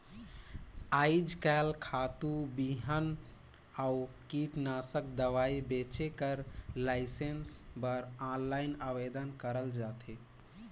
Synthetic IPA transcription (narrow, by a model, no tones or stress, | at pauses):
aɪd͡ʒkalkʰat̪ubiɦən | au | kiʈnasək̚d̪əʋaibet͡ʃekəɾlaɪsensbəɾanlaɪnaʋed̪ənkəɾəld͡ʒat̪ʰe